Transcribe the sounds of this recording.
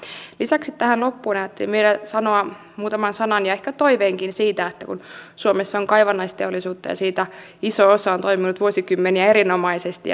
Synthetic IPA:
lisæksit̪tæhænlopːuːnɑjæt̪ːelḭmʋeilæsɑnoɑ | muːt̪ɑmɑnsɑnɑnjɑehkæt̪oiʋeːŋkinsiːt̪æet̪ːækunsuomesːɑoŋkɑjʋɑnːɑist̪eolːˑisuːt̪ːɑ̰jɑ̰siːt̪æ | isoosɑont̪oiminut̪ʋuosikymːeniæeɾinomɑisest̪i

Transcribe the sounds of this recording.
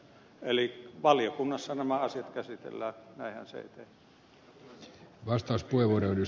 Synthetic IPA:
eliʋɑljokunːɑsːɑnæmæɑsiɑt̪kæsit̪ḛlːæːnæihæ̰nsḛˑit̪eh | ʋɑst̪ɑuspueʋuoreyly

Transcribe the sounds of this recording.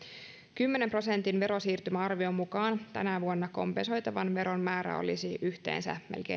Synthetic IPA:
kymːene̞mpro̞se̞nt̪inʋe̞ɾo̞siːrt̪ymæɑrʋio̞mːukɑːnt̪ænæʋuonːɑko̰mpeso̞jt̪ɑʋɑnʋe̞ɾo̞nmæːɾæ̰o̞̰lḭsiʔyçt̪e̞̰ːnsæ̰melkḛ

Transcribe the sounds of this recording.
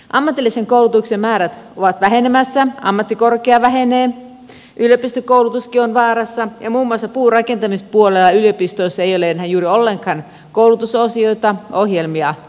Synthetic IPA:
ʔɑmːɑt̪ilːiseŋkouwlut̪uksemmæːɾæt̪oʋɑt̪ʋæɦenemæsːæɑ̰mːɑt̪ːikorkeɑʋæɦeneː | ʔyljøpist̪økoˑulut̪uskionʋɑːɾɑsːɑjɑmuːmːuɑsːɑpuːrɑkent̪ɑmispuolelːɑyliopist̪oisːɑejoleenhæjjuːɾiolːeŋkˑɑn | koulut̪usosioit̪ɑohjelmiɑ

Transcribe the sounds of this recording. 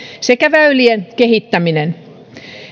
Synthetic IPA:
sekæʋæylienkehit̪ːæminen

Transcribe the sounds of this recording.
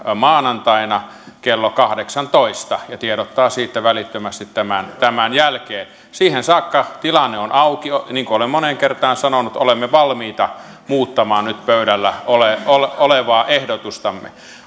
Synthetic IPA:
mɑːnɑnt̪ɑinɑ | kelːokɑhdeksɑnt̪oist̪ɑjɑt̪ieɾot̪ːɑːsiːt̪ːæʋælit̪ːømæst̪it̪tæmænt̪æmænjælkeːn | siːhensɑːkːɑt̪ilɑnːeonɑukioniːŋkuolemmoneŋkert̪ɑːnsɑnonut̪olemːeʋɑlmiːt̪ɑ | muːt̪ːɑmɑːnnyt̪pøyɾælːæoleololeʋɑːʔehdot̪ust̪ɑmːḛ

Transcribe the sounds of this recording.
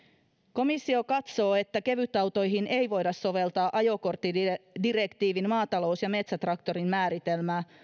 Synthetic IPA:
ko̞misːio̞kɑt̪so̞ːe̞t̪ːæke̞ʋyt̪ːɑwt̪o̞jɦine̞jʋo̞jdɑsːo̞ʋe̞lt̪ɑːʔɑjo̞ko̞rt̪ːidirekt̪iːʋinmɑːt̪ɑlo̞ːsjɑme̞t̪sæt̪rɑkt̪o̞ɾinmæːɾit̪e̞lmæː

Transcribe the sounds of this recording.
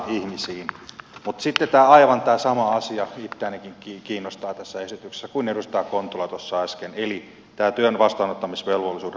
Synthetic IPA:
ihmisiːnmut̪sit̪ːet̪æːɑiʋɑnt̪æːsɑmɑɑsiɑit̪ːeænekiŋkikiːnːost̪ɑːt̪æsːæesit̪ykse̥sːækuinedust̪ɑːkont̪ulɑt̪osːɑɑskeneli | t̪æːt̪yønʋɑst̪ɑːnot̪ːɑmisʋelʋolːisuːd

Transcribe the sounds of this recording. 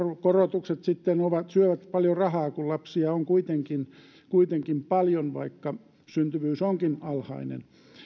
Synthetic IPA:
korot̪ukset̪sit̪ːenoʋɑt̪syøʋæt̪pɑljorɑhɑːkullɑpsiɑoŋkuit̪eŋkin | kuit̪eŋkimpɑljonʋɑ̰ikːɑ | synt̪yʋyːsoŋkinɑlhɑ̰inḛn

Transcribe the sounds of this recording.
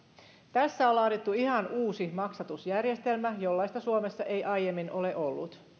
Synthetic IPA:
t̪æsːæolːɑːdit̪ːuiɦɑnuːsimɑksɑt̪usjærje̞st̪e̞lmæjo̞lːɑist̪ɑsuomesːɑʔe̞jʔɑjjemːinʔo̞leʔolːut̪

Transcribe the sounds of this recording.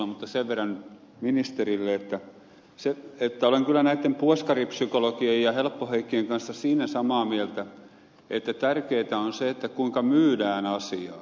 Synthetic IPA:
ɑmut̪ːɑseʋʋerːɑn | minist̪erilːeet̪ːæ | seet̪ːæoleŋkylːˑænæit̪ːempuoskɑripsykolokiejjɑhelpːoheikːieŋkɑnsːɑsiːnæsɑmɑːmielt̪æ | et̪ːæt̪ærkeːt̪æonseet̪ːækuiŋkɑmyːdæːnɑsiɑː

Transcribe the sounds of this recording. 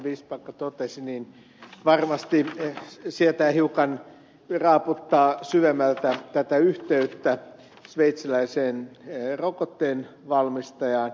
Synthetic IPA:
ʋiːspɑikːɑt̪ot̪esiniːn | ʋɑrmɑst̪i | siet̪æhiukɑn | rɑːput̪ːɑːsyʋemːælt̪æt̪æt̪æyht̪eyt̪ːæ | sʋeit̪silæiseːnrokot̪ːeːnʋɑlmist̪ɑjɑːn

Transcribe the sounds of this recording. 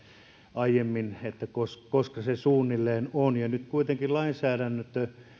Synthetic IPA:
ʔɑijemːinet̪ːækoskoskɑsesuːnːilːeːnonjɑnyt̪kuit̪eŋkilɑinsæːɾænːøt̪ːø

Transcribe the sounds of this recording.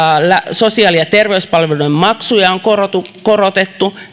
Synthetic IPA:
læso̞siɑːlijɑt̪erʋeyspɑlʋelujmmɑksujɑoŋkorot̪ukorot̪et̪ːu

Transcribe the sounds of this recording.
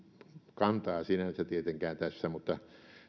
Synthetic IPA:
kɑnt̪ɑːsinænsæt̪iet̪eŋkæːnt̪æsːæmut̪ːɑ

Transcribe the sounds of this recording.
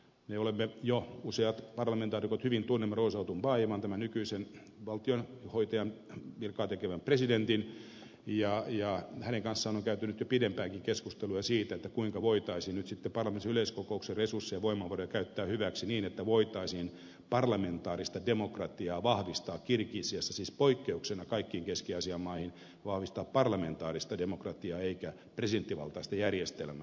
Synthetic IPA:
meolemːejouseɑt̪pɑrlɑment̪ɑːrikot̪hyʋint̪unːemːɑroːsɑut̪umʋɑjʋɑnt̪æmænykyisen | ʋɑlt̪ionhoit̪ɑjɑnʋirkɑːt̪ekeʋæmpresident̪in | jɑjɑhæneŋkɑnsːɑːnoŋkæyt̪ænyt̪jopidempæːkiŋkeskust̪elujɑsiːt̪æet̪ːækuiŋkɑʋoit̪ɑisiːnnyt̪sit̪ːepɑrlɑmensiyleiskokoukseresursːejɑʋoimɑʋɑrojɑkæyt̪ːæːhyʋæksiniːnet̪ːæʋoit̪ɑisin | pɑrlɑment̪ɑːrist̪ɑdemokrɑt̪iɑːʋɑhʋist̪ɑːkkirkiːsiesːɑsiːspoikːeuksenɑkɑikːiːŋkeskiɑsiɑmːɑihin | ʋɑhʋist̪ɑːppɑrlɑment̪ɑːrist̪ɑdemokrɑt̪iɑːeikæ | president̪ːiʋɑ̰lt̪ɑist̪ɑjærjest̪ḛlmæ

